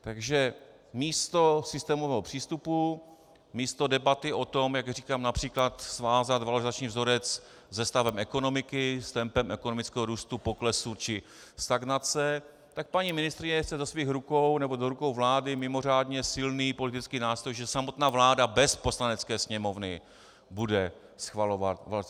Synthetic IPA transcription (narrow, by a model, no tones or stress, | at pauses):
t̪aɡʒɛ | miːst̪o̞sɪst̪ɛːmovɛːɦopr̥iːst̪upu | miːst̪o̞dɛbat̪ɪʔo̞t̪o̞mjaɡriːkaːmnapr̝̥iːklat̪svaːzat̪valoɾɪzat͡ʃɲiːvzo̞ɾɛt͡s | zɛst̪avɛmɛko̞no̞mɪkɪst̪ɛmpɛmʔɛkono̞mɪt͡skɛːɦoɾuːst̪upoklɛsut͡ʃɪ | st̪aɡnat͡sɛ | t̪ak̚paɲimɪnɪst̪ɾɪɲɛxt͡sɛzɛsviːxɾuko̞wnɛbo̞doɾuko̞wvlaːdɪmɪmo̞r̝aːdɲɛsɪlniːpo̞lɪt̪ɪt͡skiːnaːst̪ɾojʒɛsamot̪naːvlaːdabɛspo̞slanɛt͡skɛːsɲɛmo̞vnɪ | budɛ | sxvalo̞vat̪va